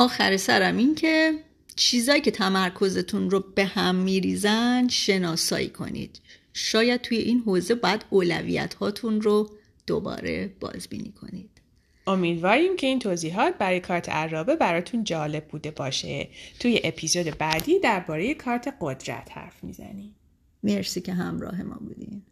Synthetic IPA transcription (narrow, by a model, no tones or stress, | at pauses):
ɒːxæɾesæɾæmincʰe̞ | t͡ʃʰiːzɒːjiːcʰe̞t̪ʰæmæɾkʰo̞ze̞t̪ʰunrobe̞hæmːiːɾiːzænd̪ʃe̞nɒːsɒ̰ːḭːkʰo̞̰nḭːd̪̥ | ʃɒːjæd̪̥̚t̪ʰuːje̞ʔinɦoːze̞bɒːjæd̪̥oːlæ̰vḭːjæ̰t̪ʰhɒːt̪ʰunro | d̪̥o̰bɒ̰ːɾe̞̰b̥ɒ̰ːzbḭːniːkʰo̞̰niːd̪̥ | o̞miːd̪vɒːɾiːmcʰe̞iːnt̪ʰoːziːɦɒːt̪̚bæɾɒːjekʰɒːɾt̪ʰe̞̰ʔæɾːɒːbebæɾɒːt̪ʰund͡ʒɒːle̞b̚buːd̪e̞bɒːʃḛt̪ʰuːjeʔepʰiːzod̪ebæːd̪iːd̪æɾbɒːɾeje̞kʰɒːɾt̪ʰe̞ɡod̪ɾæ̰t̪hæ̰ɾfmḭzæ̰niː | me̞ɾsiːcʰe̞ɦæmɾɒ̰ːɦe̞mɒ̰ːbṵːd̪ḭm